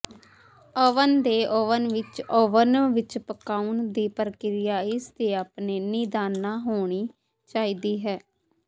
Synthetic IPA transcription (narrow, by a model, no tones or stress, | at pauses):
əʋənd̪eːʔoʋənʋɪt͡ʃoːʋənʋɪt͡ʃpəkaːund̪iːpəɾəkɪɾɪjaːɪsd̪eːaːpneːniːd̪aːnːaːɦoːɳ̃iː | t͡ʃaːiːd̪iːɦɛː